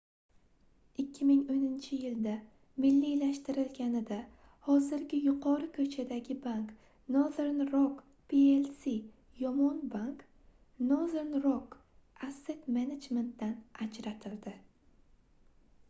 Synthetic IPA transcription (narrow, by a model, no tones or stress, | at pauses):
ɪkʲːɪmɪŋonɪnt͡ʃʰɪjɪld̪a | mɪlːijlaʃt̪ɪɾɪlɡʲanɪd̪a | hɒzɪɾɡʲɪjʊqʰɒɾɨkʰɵt͡ʃʰad̪aɡʲɪbaŋk | noðeɾnɾok | pielsi | jɒmɒnbaŋk | noðeɾnɾok | ase̞t̪mened͡ʒme̞nt̪̚d̪anad͡ʒɾat̪ʰɪld̪ɪ